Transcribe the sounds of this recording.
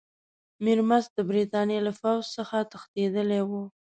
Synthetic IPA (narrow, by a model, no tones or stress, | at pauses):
miɾmazd̪əbɾit̪ɑnjelafawzsəxat̪əxt̪ed̪əlewu